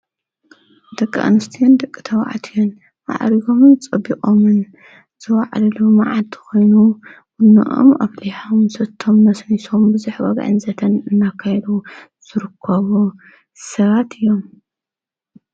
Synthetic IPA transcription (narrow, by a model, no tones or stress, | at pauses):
d̪ɐkʼːʔa̰nɨst̪ʰijund̪ɐkʼːi̥t̪ʰɐwa̰ʕa̰t̪ʰijun | ʔa̰ʕɾiɡo̞mɨnt͡sʼɐbːikʼomɨn | z̥ɨwaʕlilumaʕalt̪ʰi̥ko̞jnuwʊnːɨ̰ʔo̰mɐ̰βliħomsɐt̪ʰːomːɐsniso̞mbɨzuħwɐ̰ɡʕɨ̰nzɐt̪ʰɐnɨnːakʰːajɛd̪u | z̥ɨɾɨkʰːɐβu | sɐβat̪ʰɨjːom